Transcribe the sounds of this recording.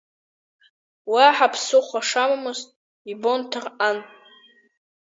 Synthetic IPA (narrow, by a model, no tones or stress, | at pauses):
waħapʰsɨχʷaʂamamɨztʼ | ibontʰɨran